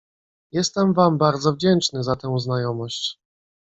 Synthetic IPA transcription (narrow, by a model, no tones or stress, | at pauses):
jɛst̪ɛmvambaɾd̪zɔvd͡ʑɛnt͡ʂnɘzat̪ɛ̃w̃znajɔmɔɕt͡ɕ